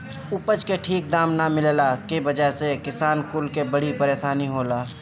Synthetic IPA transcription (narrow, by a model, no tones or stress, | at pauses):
ʊpəd͡ʒkeʈʰiːk̚d̪aːmnamɪllakibəd͡ʒəɦsekɪsaːnkʊlkebəɽipəɾeːsaːniɦoːlaː